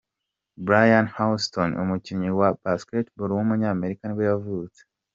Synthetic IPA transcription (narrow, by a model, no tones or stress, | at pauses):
bɾajanhawstonṵmucimɲiwabasketbuɾuwumuɲaːme̞ɾikaniβojavut͡se̥